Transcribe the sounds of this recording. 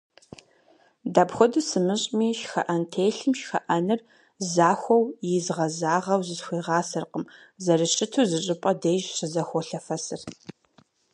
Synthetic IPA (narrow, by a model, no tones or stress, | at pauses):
daːpxʷɔdɨsɨmɨɕʼmiːʃxɐ̰ʔɐntʰeːjɬɨmʃxɐ̰ʔɐnɨr | zaːxʷɔwjɪzʁɐzaːʁɐwzɨsxʷiːʁɑːsɐrqəm | zɐrɨɕɪtʰuzɨɕʼɪpʼɐdeːʒɕɨzɐxʷɔɬɐfɐsɨr